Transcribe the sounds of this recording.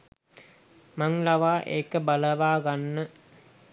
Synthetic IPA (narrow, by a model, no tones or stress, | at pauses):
maŋlaʋaːʔḛːkəbaləʋaːɡanːə